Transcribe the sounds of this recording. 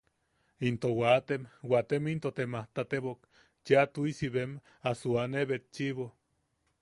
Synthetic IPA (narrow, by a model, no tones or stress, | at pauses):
int̪owat̪emwat̪emint̪ot̪emaht̪at̪eβok | t͡ʃeat̪uisiβem | asuaneβet̪̚t͡ʃiβo